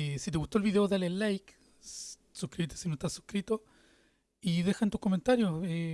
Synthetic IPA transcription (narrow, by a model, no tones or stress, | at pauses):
esit̪eɣut̪oelβiðeoðalelːajk | sukɾiβet̪esinot̪asu̥hkɾit̪o | iðe̞xaent̪u̥hko̞me̞nt̪aɾjose